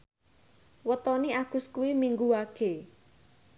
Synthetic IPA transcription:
wət̪ɔniaɡ̥ʊ̤skuwimiŋɡuwaɡ̥e̤

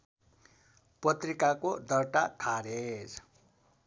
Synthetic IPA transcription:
pʌt̪rikakod̪ʌrʈakʰaɾed͡z

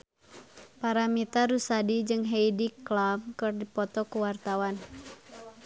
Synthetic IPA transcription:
paɾamit̪aɾusadid͡ʒɨŋɦeijdiklamkɨrdipɔt̪ɔkuwart̪awan

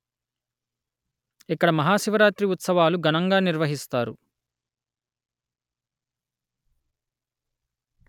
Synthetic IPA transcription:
ikːɐɽɐmɐɦaːʃiʋɐɾaːt̪ɾiut̪sɐʋaːluɡɐnɐŋɡaːniɾʋɐɦist̪aːɾṵ

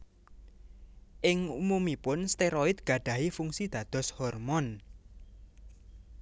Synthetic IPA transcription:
ʔɪŋumumipʊnst̪eɾɔɪt̪̚ɡ̥ä̤ɖ̥ä̤ɦifuŋsid̪̥ä̤d̪̥ɔ̤shɔrmɔn

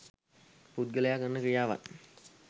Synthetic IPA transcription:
pud̪̚ɡəlejakənːəkɾijaːʋa̰n

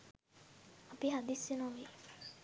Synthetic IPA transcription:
apiɦad̪isːenoʋi

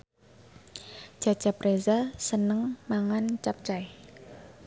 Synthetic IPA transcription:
ʒ̥a̤̥ʒ̥a̤pɾʔezasənəŋmaŋant͡ʃap̚t͡ʃaj

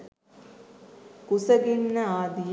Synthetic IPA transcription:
kusɐɡinːəaːd̪ij

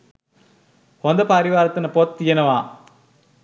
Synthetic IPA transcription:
ɔnd̪ɐpaɾiʋaːɾɐt̪ːɐnɐpot̪ːijɐnɐʋaː

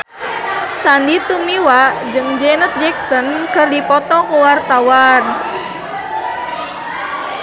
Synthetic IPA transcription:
sandit̪umiwad͡ʒɨŋd͡ʒɛnət̪̚d͡ʒɛk̚sɔnkɨrdipɔt̪ɔkuwart̪awan

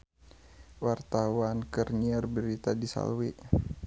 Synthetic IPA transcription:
wart̪awankərɲiərbəɾit̪adisa̰lwi

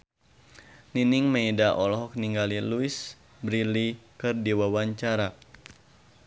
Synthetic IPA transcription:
ninɪŋmə̃idaʔɔlɔɦɔk̚niŋɡaliluis | bɾilikɨrdiwawaɲt͡ʃaɾa

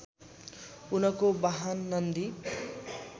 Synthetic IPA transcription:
unʌkobaɦanːʌnd̪i

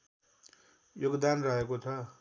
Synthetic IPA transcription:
joɡd̪anrʌɦekot͡sʰʌ

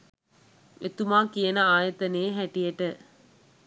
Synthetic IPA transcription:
ʋʔḛt̪umaːkijenəaːjɐt̪ɐneːɦæʈijeʈə

